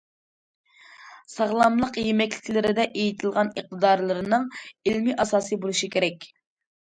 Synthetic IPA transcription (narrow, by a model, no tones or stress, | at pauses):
sɑʁlˠɑmlˠəqjemɛkʲlɪ̥kʲlɪɾɪd̪ɛʔejit̪ʰɨlˠʁɑnəq̚t̪ʰɨd̪ɑɾlˠɨɾɨnɨŋilmiʔɑsɑːsɨbolˠuʃikʲʰeɾɛkʲ